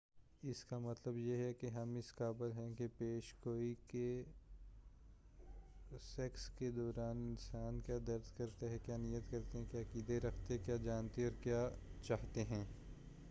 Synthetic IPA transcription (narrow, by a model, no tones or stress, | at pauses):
ɪskamɐt̪ləbjeɦɛkeɦɐmɪskaːbəlɦɛ̃kepeːʃɡoːike | sɛksked̪ɔːɾaːnɪnsaːnkjaːd̪ɐɾd̪kɐɾt̪aɦɛ̃kjaːnijət̪kɐɾt̪eɦɛ̃kjaːkiːd̪eɾɐkʰt̪ekjaːd͡ʒaːnt̪eɔːɾkjaːt͡ʃaːɦt̪eɦɛ̃ː